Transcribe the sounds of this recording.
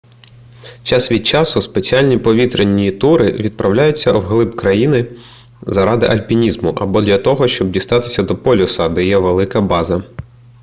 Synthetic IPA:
t͡ʃɑsʋʲid̪̚t͡ʃɑsʊspe̞t͡sʲiɑlʲnʲipɔʋʲit̪ɾenʲːit̪uɾɪʋʲid̪̚pɾɐwlʲajʊt͡sʲːɐwɦlˠɪbkɾɐjinɪ | zɐɾɑd̪ɪʔɐlʲpʲinʲizmʊʔɐbɔd̪lʲɐt̪ɔɦɔʃt͡ʃɔb̚dʲist̪ɑt̪ɪ̥sʲɐd̪ɔpɔlʲʊsɐd̪ɛjɛʋelˠɪkɐbɑzɐ

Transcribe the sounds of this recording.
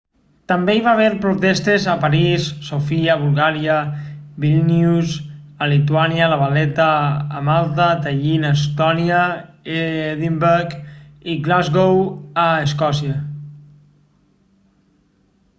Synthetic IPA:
t̪ambeiβaβ̞eɾpɾut̪est̪ezapaɾisːofiaβulˠɣaɾiabilˠnjuzəlit̪uaniəlaβalɛt̪aːmalˠt̪at̪aʎinəs̬t̪ɔnia | eeðimbeɾkiɡlazɣowəəskɔsiə

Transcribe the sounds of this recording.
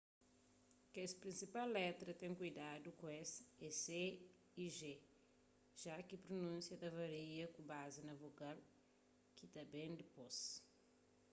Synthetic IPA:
kespɾĩnsipalːɛt̪ɾɐt̪ẽŋkujd̪ad̪ukõɛsɛse | iʒe | ʒ̥akipɾonũsjɐd̪ɐvɐɾiɐkũbazinɐvokal | kit̪ɐbẽj̃d̪ɪpos

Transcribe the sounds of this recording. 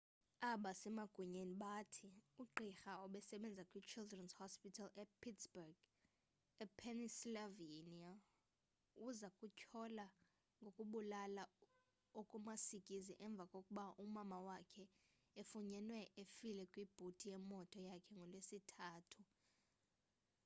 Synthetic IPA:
aɓasɛmaɡ̥ʱuɲeniɓatʰiuǃixaɔɓɛsɛɓɛnd͡zʱakʼwit͡ʃʰildrɛnzhɔspitʰalɛpʰitsbɛrɡ̥ | ɛpʰɛnislavinia | uzakʼucʰɔla | ŋɡʱokʼuɓulala | okʼumasikʼiziʔɛɱb̪vʱakʼokʼuɓaʔumamawakʰɛ | efuɲɛnwɛʔefilɛkʼwib̥ʱutʼijɛmɔtʼɔjakʰɛŋɡʱɔlesitʰaːtʰu

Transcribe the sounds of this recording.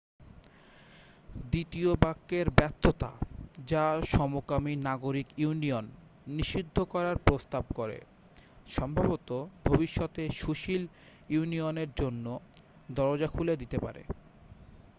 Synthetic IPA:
d̪it̪iobakːeɾbɛt̪ʰːot̪a̰d͡ʑaʃɔmokaminaɡoɾikuunionː | iʃid̪ʱːokɔɾaɾpɾost̪ab̚koɾḛ | ʃɔmbʱabot̪obʱobiʃːɔt̪eʃuʃil | iunioneɾd͡ʑonːo | d̪ɔɾod͡ʑakʰuled̪it̪epa̰ɾḛ

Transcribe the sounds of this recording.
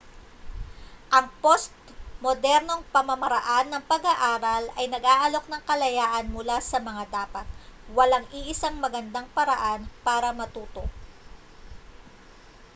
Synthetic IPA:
ʔɐŋpo̞st̪̚ | mod̪ɛɾno̞ŋpɐmɐmɐɾɐʔanːɐŋpɐɡaʔaːɾɐlɐjnɐɡʔaːʔɐlo̞k̚nɐŋkɐlɐjaːʔɐnmʊlasɐmɐŋad̪aːpɐt̪̚wɐlaŋʔiʔɪsaŋmɐɡɐnd̪aŋpɐɾɐʔanpaːɾɐmɐt̪uːt̪o̞ʔ

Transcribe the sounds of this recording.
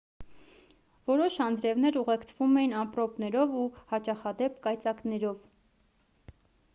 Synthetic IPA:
vɔɾɔʃɑnd͡zɾɛvnɛɾuʁɛkt͡sʰvumɛjinɑmpɾɔpnɛɾɔvuhɑt͡ʃɑχɑd̪ɛpkɑjt͡sɑknɛɾɔv

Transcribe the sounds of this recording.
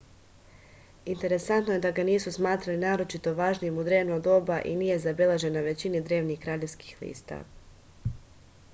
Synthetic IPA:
int̪e̞ɾe̞sant̪noje̞d̪aɡaniːsusmaːt̪ɾalinaːɾo̞t͡ʃit̪o̞ʋaːʒnijemud̪ɾe̞ːʋnod̪o̞baʔiniːje̞zabe̞leʒe̞naʋe̞t͡ɕinid̪ɾe̞ːʋnixkɾaːʎe̞ʋski̥xlḭːst̪a̰

